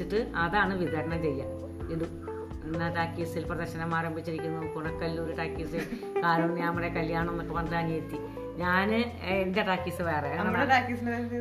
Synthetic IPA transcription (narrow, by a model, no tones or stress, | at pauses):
iʈːɨɐðaːɳɨʋiɣɐɾɐɳɐmt͡ɕe̞jːɐ | ilu | enːɐʈaːkːiːsilprɐðɐrɕɐnɐmaːɾɐmbʱit͡ɕːiɾikʲːunːɐpuɳɐkːɐlːuoɾuʈaːkːiːsi | kaːɾunɲamːɐɽekɐlijaːɳɨonːokːeʋɐnd̪laːniet̪ːi | ɲaːnɨ | ende̞ʈaːkːisɨʋɐjrɐɣɐɐnɐmːɐɽeʈaːkːisnɐɐ